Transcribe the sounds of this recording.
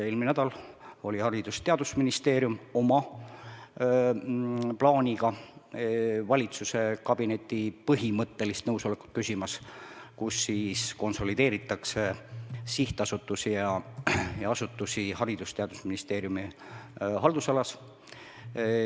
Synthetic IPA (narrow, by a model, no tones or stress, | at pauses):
eːlminæd̪̥ɑlo̞lʲihɑɾid̪̥ust̪e̞ɑd̪̥usminist̪e̞ːɾjumo̞mɑ | plɑːnʲiɡɑ | vɑlʲit̪suse̞kɑb̥ine̞t̪ʲːˑipɤɦimɤt̪ːe̞list̪nɤwso̞le̞kːˑu̥t̪̚kysʲimɑskusːiːsko̞nso̞lid̪̥e̞ːɾit̪ːˑɑksesiht̪ɑsut̪ːˑusijɑjɑɑsut̪ːˑusihɑɾid̪̥ust̪e̞ɑd̪̥usminist̪e̞ːɾjumi | ɦɑld̪̥usɑlɑs